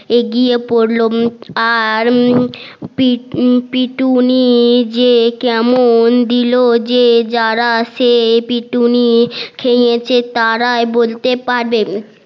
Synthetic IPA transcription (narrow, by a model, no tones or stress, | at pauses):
eɡiepoɾloaɾ | pipiʈunid͡ʑekɛmond̪ilod͡ʑed͡ʑaɾaʃepiʈunikʰejet͡ɕʰet̪aɾaebolt̪epaɾbe